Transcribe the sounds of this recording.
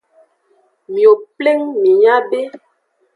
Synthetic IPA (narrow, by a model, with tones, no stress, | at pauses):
mĩ˨o˨ple˦ŋmĩ˨ɲã˦be˦